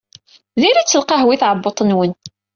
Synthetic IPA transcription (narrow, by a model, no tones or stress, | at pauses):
ðiɾit͡sːəlqɑɦwiθʕəbːot̪ˤənwən